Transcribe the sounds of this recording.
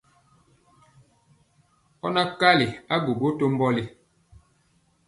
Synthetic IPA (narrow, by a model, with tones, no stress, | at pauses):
ɔ̰˦na˦ka˦li˨a˦ɡu˨bo˦to˦m˦bɔ˦li˦